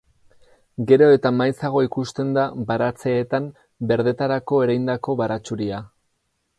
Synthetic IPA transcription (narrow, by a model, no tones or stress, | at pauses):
ɡe̞ɾo̞e̞t̪amajsaɣ̞o̞ikust̪e̞nd̪abaɾat͡se̞ːt̪am | be̞ɾðe̞t̪aɾako̞e̞ɾajnd̪ako̞βaɾat͡ʃuɾia